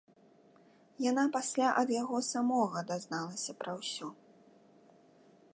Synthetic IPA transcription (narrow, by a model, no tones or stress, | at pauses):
janapasʲlʲaʔɐd̪jaɣɔsamɔɣɐd̪aznalˠɐsʲɐpɾɐwsʲɔ